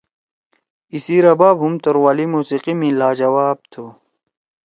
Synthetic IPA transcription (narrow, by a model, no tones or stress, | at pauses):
isiɾɐbaːbɦumt̪oɾwaːlimuːsiqimĩlaːd͡ʑɐwaːb̚t̪ʰu